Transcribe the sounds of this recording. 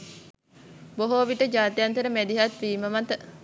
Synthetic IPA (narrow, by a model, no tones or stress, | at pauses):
boɦoːʋiʈəd͡ʒaːt̪ejant̪əɾəmæd̪iɦat̪ʋiːməmat̪ə